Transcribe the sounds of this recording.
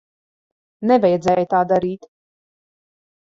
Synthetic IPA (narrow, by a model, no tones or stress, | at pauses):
nɛvɛjɛd̪zɛːjt̪aːd̪aɾiːt̪